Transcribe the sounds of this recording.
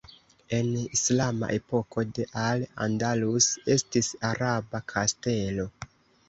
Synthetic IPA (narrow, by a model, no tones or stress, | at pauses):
e̞nislama̰ʔe̞po̞ko̞de̞ʔala̰ndaluse̞stisaɾabakʰaste̞lo̞